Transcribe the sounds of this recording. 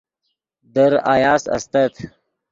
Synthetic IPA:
d̪əɾa̰jaːsɐ̰st̪ɐt̪ʰ

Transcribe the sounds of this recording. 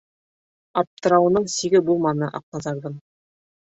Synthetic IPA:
ɑp̚t̪ɤ̆ɾɑwɤ̆nɤɴsiɡɘbulˠmɑnɤʔɑ̰q̚nɑzɑɾd̪ɤm

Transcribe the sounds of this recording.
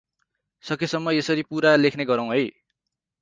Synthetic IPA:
sʌkesʌmːʌesʌɾipuɾalekʰneɡʌɾãw̃ɦʌj

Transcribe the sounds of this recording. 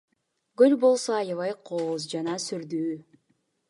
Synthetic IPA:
ɡølbo̞lˠsoɑjɑvɑjqʰoːzd͡ʒɑnɑsyɾd̪yː

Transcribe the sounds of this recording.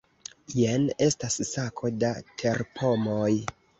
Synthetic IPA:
jene̞stasːakʰo̞datʰe̞ɾpʰo̞moj

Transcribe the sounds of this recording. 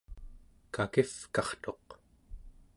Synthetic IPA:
kakifkɑχt̪o̞q

